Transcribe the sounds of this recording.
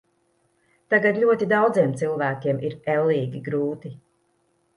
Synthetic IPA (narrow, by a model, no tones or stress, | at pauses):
t̪aɡad̪ʎʲuɔt̪id̪awd̪ziɛmt̪silˠvæːkʲiɛmʔiɾɛlːiːɡʲiɡɾuːt̪i